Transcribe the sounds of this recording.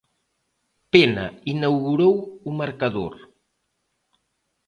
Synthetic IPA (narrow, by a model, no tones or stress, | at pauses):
penɐ̰inawɣuɾowumaɾkaðoɾ